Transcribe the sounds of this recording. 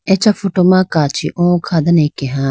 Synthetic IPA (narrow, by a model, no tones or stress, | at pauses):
et͡ʃɐfʰoʈomãkaːt͡ʃʰḭʔõkʰad̪ɐnekeɦãː